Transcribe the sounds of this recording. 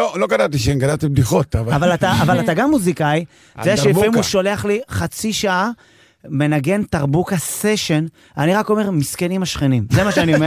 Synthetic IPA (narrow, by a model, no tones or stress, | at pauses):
oloɡanavt̪̬iʃeemɡalat̪ib̚diχot̪avaavalat̪aavalat̪aɡamːuzikaj | zeaʃimuʃo̞le̞aχliχat͡siʃaʔa | me̞naɡe̞ntaʁbukase̞ʃe̞n | aniʁako̞me̞ʁmiskenimaʃχenimzemaʃeanioe